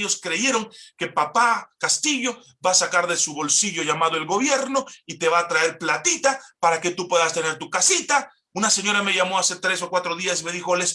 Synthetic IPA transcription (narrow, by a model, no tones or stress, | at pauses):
o̞skɾe̞ʝe̞ɾo̞ŋke̞papakast̪iʝo̞ | baːsakaɾðe̞suβo̞lsiʝo̞ʝamaðoelɡo̞βje̞ɾno̞it̪e̞βaːt̪ɾae̞ɾplat̪it̪apaɾake̞t̪upwe̞ðast̪e̞ne̞ɾt̪ukasit̪a | unase̞ɲo̞ɾame̞ʝamo̞ase̞t̪ɾe̞so̞kwat̪ɾoðiasme̞ðixo̞les